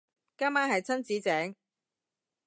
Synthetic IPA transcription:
kaː˥maː˥nhɐ˨jt͡sʰɐ˥nt͡siː˨˥t͡sɛː˨˥ŋ

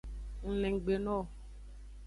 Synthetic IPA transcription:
ŋ̩˨lɛ̃˨ŋ̩˨ɡ͡be˨nɔ̃˦˨

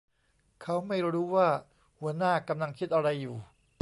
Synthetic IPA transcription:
kʰa˦˥wma˥˩jɾuː˦˥waː˥˩ | hu˩˦ɐnaː˥˩ka˧mla˧ŋkʰi˦˥t̪̚ʔa˧ɾa˧jːuː˨˩

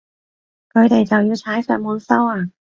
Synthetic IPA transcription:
kʰɵ˨˧ɥt̪e˨jt͡sɐ˨wjiː˧t͡sʰaː˨˥jsœː˨˩t̚muː˨˧nsɐ˥waː˧˩

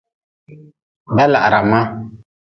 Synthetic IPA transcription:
bɛ˦la̰˨ʔɾa˨ma˦

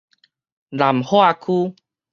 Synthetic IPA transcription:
la˨˩mho˦a˧kʰu˦

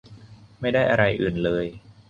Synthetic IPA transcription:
ma˥˩jdaː˥˩jʔa˧ɾa˧jʔɯː˨˩nlɤː˧j

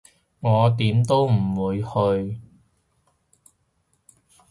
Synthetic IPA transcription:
ŋɔː˨˧t̪iː˨˥mt̪o˥wm̩˨˩wuː˨˧jhɵ˧ɥ

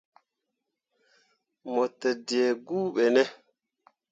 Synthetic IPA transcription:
mɔ˨tːɛ˨di˨e˨ɡuː˦ɓɛ˨nɛ˦

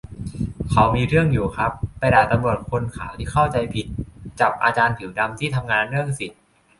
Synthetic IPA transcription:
kʰa˨˦˥wmiː˧ɾɯ˥˩əŋjuː˨˩kʰɾa˦˥pːa˧jdaː˨˩t̪a˧mɾu˨˩ət̪̚kʰo˧nkʰa̰ː˩˦wt̪ʰiː˦˥˩kʰa˥˩wt͡ɕa˧jpʰi˨˩t̪̚t͡ɕa˨˩p̚ʔa̰ː˧t͡ɕaː˧nt̪ʰi˩˦wda˧mt̪ʰiː˥˩t̪ʰa˧mŋaː˧nɾɯ˥˩əŋsi˨˩t̪̚

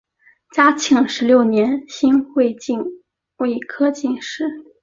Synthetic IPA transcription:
t͡ɕja˥t͡ɕʰi˧˥ŋʂɻ̩˧˥ljo˥˩ʊnjɛ˧˥nɕi˥nxwe˥˧ɪt͡ɕi˥˧n | we˥˩ɪkʰɤ˥t͡ɕi˥˧ŋʂɻ̩˥˩

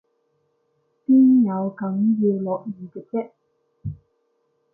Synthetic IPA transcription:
piː˥njɐ˨˧wkɐ˨˥ŋjɛː˧lɔː˨k̚jiː˨˩t̪ɪ˨˩k̚tɛ˥k̚

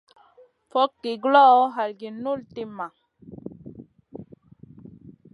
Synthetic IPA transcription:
fɔ˦kːi˨ɡlɔ˦ɦa˨lɡi˨nu˦lt̪i˦ma˨

